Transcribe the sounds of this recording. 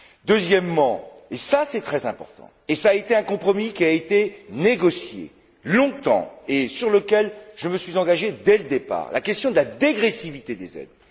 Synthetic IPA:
d̪øzjɛmːɑ̃ | esasɛt̪χɛzɛ̃pɔ̰ʁt̪ɑ̰̃esaːet̪eɛ̃kɔ̃pχɔmikʲiaet̪eneɡɔsjḛ | lɔ̃t̪ɑ̰̃esyʁləkʲɛlʒ̥əməsɥizɑ̃ɡaʒed̪ɛləd̪epa̰ːʁlʔa̰kʲɛst̪jɔ̃d̪əlad̪eɡʁesivit̪ed̪ezɛ̰d̪

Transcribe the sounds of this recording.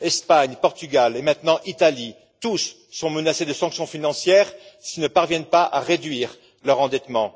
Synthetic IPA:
ɛspaɲpɔʁt̪yɡʲalemɛ̃t̪nɑ̃ʔit̪ali | t̪usː | ɔ̃mənased̪əsɑ̃ksjɔ̃finɑ̃sjɛːʁsilnəpaʁvjɛnpaʔa̰ʁed̪ɥiːʁ | lœʁɑ̃d̪ɛt̪mɑ̃

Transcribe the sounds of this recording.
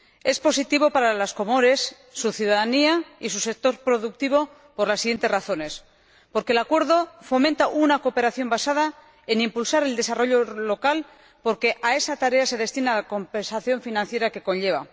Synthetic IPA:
e̞spo̞sit̪iβ̞o̞paɾalasko̞moɾe̞sː | uθjuðaðaniaisuse̞k̚t̪o̞ɾpɾo̞ðuk̚t̪iβ̞o̞ | po̞ɾlasːiɣje̞nt̪e̞raθo̞ne̞s | po̞ɾkelakwe̞ɾð̞o̞fo̞ment̪aʔunakope̞ɾaθjo̞mbasaða | enĩmpulsaɾe̞ld̪e̞saro̞ʎo̞lo̞kal | po̞ɾke̞ʔae̞sat̪aɾe̞ase̞ð̞e̞st̪inalako̞mpe̞nsaθjo̞ɱfinãnθje̞ɾake̞ko̞nʎe̞β̞a̰

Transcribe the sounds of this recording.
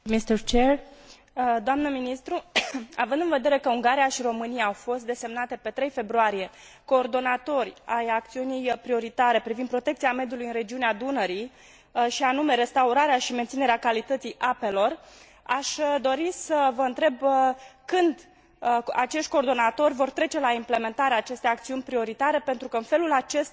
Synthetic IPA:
mist̪ərt͡ʃer | d̪oamnəminist̪ɾuavɨnd̪ɨnve̞d̪e̞ɾe̞kəuŋɡaɾijaʃiɾo̞mɨnijaːwfo̞st̪̚d̪e̞se̞mnat̪e̞pe̞t̪ɾe̞jfe̞bɾuaɾije̞ | ko̞ːrd̪o̞nat̪o̞rʲajak̚t̪siunijpɾio̞ɾit̪aɾe̞pɾivind̪pɾo̞t̪e̞k̚t̪siame̞d̪julujɨnɾe̞d͡ʒiunead̪unəɾi | ʃianume̞ɾe̞st̪auɾaɾeaʃiment̪sine̞ɾeakalit̪ət̪sijʔape̞lo̞r | aʃd̪o̞ɾisəvəɨnt̪ɾe̞bkɨnd̪ | at͡ʃe̞ʃt̪̚ʲko̞ːrd̪o̞nat̪o̞rʲvo̞rt̪ɾe̞t͡ʃe̞laimple̞me̞nt̪aɾeaːt͡ʃe̞st̪e̞jakt̪siunʲpɾio̞ɾit̪aɾe̞pe̞nt̪ɾukəɨnfe̞lulat͡ʃe̞st̪

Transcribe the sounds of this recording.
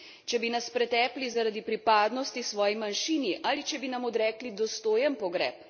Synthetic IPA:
t͡ʃɛbinaspɾɛt̪ɛːplizaɾad̪ipɾipaːd̪nɔst̪isʋɔːjimanʃiːniʔaːlit͡ʃɛbinamɔd̪ɾɛːklid̪ɔst̪oːjɛnpɔɡɾɛ̰ːp

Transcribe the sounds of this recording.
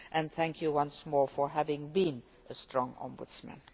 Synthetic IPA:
ʔɨ̃nθæ̃ŋkʰjɨwʌ̃nsmɔːɹfə˞ɦævɪ̃ŋbĩn | ʔəstʰɹ̥ɔ̃ŋɔ̰̃nbʊ̰dsmæ̰̃n

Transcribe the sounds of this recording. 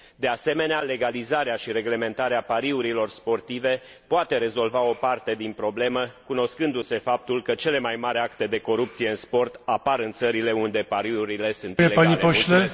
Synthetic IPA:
d̪e̞ase̞me̞neale̞ɡalizaɾeaʃiɾe̞ɡle̞me̞nt̪aɾeapaɾiuɾilo̞rspo̞rt̪ive̞ | poat̪e̞ɾe̞zo̞lvao̞part̪e̞d̪inpɾo̞ble̞məkuno̞skɨnd̪use̞fap̚t̪ulkət͡ʃe̞le̞majmaɾakt̪e̞d̪e̞ko̞ɾupt̪sije̞ɨnspo̞rt̪apaɾɨnt̪səɾile̞und̪e̞paɾiuɾile̞sunt̪jelepanipole

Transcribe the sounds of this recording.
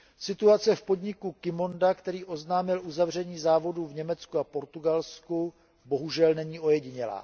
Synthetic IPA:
sɪt̪uat͡sɛfpo̞dɲɪkukɪmondakt̪ɛɾiːʔo̞znaːmɪlʔuzavr̝ɛɲiːzaːvo̞duːvɲɛmɛt͡skuapo̞ɾt̪uɡalsku | bo̞ɦuʒɛlnɛɲiːʔo̞jɛɟɪɲɛla̰ː

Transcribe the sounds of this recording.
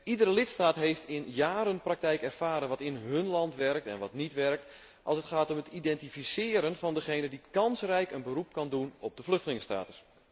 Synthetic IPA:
idəɾəlɪtstaːtɦejftɪnjaːɾənprɑk̚tɛjkɛrfaːɾənʋɑtɪnɦɵnlɑntʋɛrk̚tɛ̰nʋɑtnitʋɛrk̚t | ʔɑlˠsətχaːtɔmətidɛntifisɪːɾənvɑndəχejnədikɑnsrɛjkənbərup̚kɑndunɔb̚dəflɵxtəlɪŋəsta̰ːtə̥s

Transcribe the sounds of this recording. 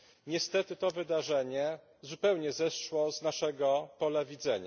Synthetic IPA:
ɲɛst̪ɛt̪ɘt̪ɔvɘd̪aʐɛɲɛ | zupɛwɲɛzɛsʂwɔznaʂɛɡɔpɔlavʲid̪zɛɲa̰

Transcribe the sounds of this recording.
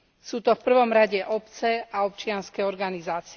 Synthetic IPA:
suːt̪ɔfpr̩ʋɔmɾaɟɛʔɔpt͡sɛaɔpt͡ʃɪanskɛɔɾɡanizaːt͡si

